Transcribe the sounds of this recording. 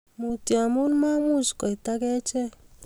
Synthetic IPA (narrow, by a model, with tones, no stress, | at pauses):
mu˨tja˨mu˦nma˦mu˦˨t͡ʃkɔ˨i˨ta˦ɡɛ˦t͡ʃɛ˦